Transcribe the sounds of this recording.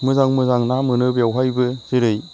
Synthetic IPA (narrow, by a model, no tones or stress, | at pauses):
mɯzaŋmɯzaŋnamɯnɯbjawɦajbɯzɯɾɯj